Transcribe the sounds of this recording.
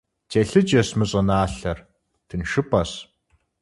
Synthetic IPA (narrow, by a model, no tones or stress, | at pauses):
t͡ɕeɬɨt͡ʃʼɐsmɨɕʼɐnaːɬɐr | tʰɨnʃɨpʰɐs